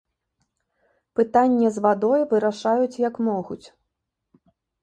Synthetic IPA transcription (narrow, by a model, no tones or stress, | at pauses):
pɨt̪anʲːɛzvad̪ɔjvɨɾaʂajut͡sʲjɐkmɔɣut͡sʲ